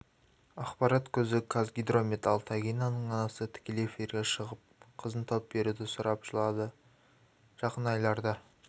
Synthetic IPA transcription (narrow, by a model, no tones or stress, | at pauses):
ɑqpɑɾɑt̪kʲʰɵzɪkʰazɡʲijd̪ɾo̞mʲit̪ɑlˠt̪ʰaɡʲijnɑnəɴɑnɑsət̪ʰɪ̥kʲe̞leefiɾɡʲe̞ʃəʁəp̚qʰəzənt̪ʰop̚be̞ɾud̪ɪsʊɾɑpʒ̥əlˠɑd̪ə | ʒ̥ɑqənɑjlˠɑɾd̪ɑ